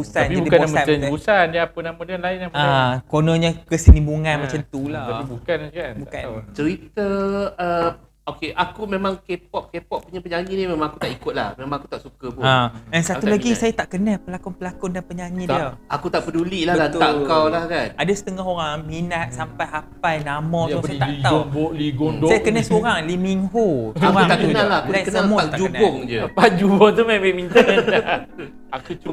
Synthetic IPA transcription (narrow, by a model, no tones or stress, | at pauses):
busaanpiabudikanboaməaausandaapənamodianlaɪnamakonõɲãkəsənĩbuŋãnmat͡ʃant̪ulaapibukanakanbukant̪əɾit̪əə | okeʔakumẽmãŋkep̚ɔʔ̚kepɔʔ̚puɲapəɲaɲĩnimẽmãŋakut̪aʔikʊt̪̚lahmemãŋaku̥t̪aʔsukəbãɛnsat̪ulaɡisajat̪aʔkənapəlakʊnpəlakʊndanpəɲaɲĩiaakut̪aʔpəduliʔlahət̪aŋkawlahkanadasə̥t̪əŋɔɦoɾaŋminat̪̚sampajɦapajnamɔ̃t̪usat̪aiɡ̪aonboliɡʊndajakənasoɾaŋlimiŋɦuaut̪akənalahakulakəsnəmũaaad͡ʒuəbaʊŋd͡ʒəpad͡ʒubʊŋt̪umamẽmĩnt̪ənəa | akut͡ʃu